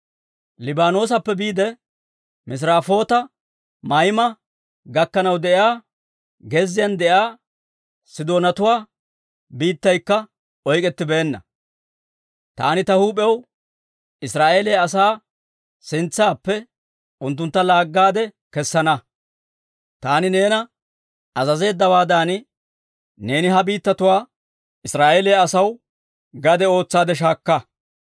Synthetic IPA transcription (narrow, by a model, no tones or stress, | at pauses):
lɪbaːno̞ːs̬ɐpːɛbiːd̪ɛ | mɪs̬ɾaːfo̞ːt̪ɐ | mɐjmɐ | ɡɐkːɐnɐwd̪ɛʔɪaː | ɡɛzːɪjɐnd̪ɛjaː | sɪd̪o̞ːnɐt̪ʊwaː | biːt̪ːɐjkːɐ | ɔjkʼɛt̪ːɪbeːnːɐ̰ | t̪a̰ːnɪt̪ɐhuːpʼɛw | ɪsɾaːʔeːleɐs̬aː | sɪnt͡sːaːpːɛ | ʔʊnt̪̬ːʊnt̪ːɐlaːɡːaːd̪ɛ | kɛsːɐnɐ | t̪aːnɪne̞ːnɐ | ɐzɐze̞ːd̪ːɐwaːd̪aːn | ne̞ːnɪɦɐbiːt̪ːɐt̪ʊwaː | ɪsɾaːʔeːleɐsɐw | ɡɐd̪ɛo̞ːt͡sːaːd̪ɛʃ̬aːkːɐ